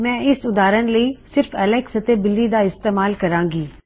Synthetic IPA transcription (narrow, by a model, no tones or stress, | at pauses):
mɛ̃ːɪsʊd̪aːɾənləiːsɪɾfɐləksɐt̪ebɪlːid̪aɪst̪eːmaːlkɐɾãːŋɡiː